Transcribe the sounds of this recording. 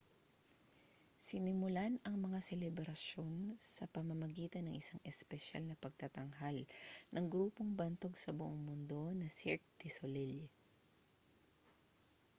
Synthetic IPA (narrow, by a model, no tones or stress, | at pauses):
sɪnɪmʊlanɐŋmɐŋasɛlɛbɾɐso̞nsɐpɐmɐmɐɡiːt̪ɐnɐŋʔɪsaŋʔɛspɛʃa̰lnɐpɐɡ̚t̪ɐt̪ɐŋɦalnʔɐŋɡɾuːpoŋbɐnt̪o̞ɡsɐbʊʔoŋmʊnd̪o̞nɐsiɹk̚t̪solɛl